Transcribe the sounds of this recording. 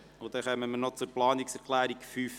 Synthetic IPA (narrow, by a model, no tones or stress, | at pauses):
ʊd̥̪ɛχœmːəmənɔt͡sʊɾplɑːniksɛɾklæːɾikfyːf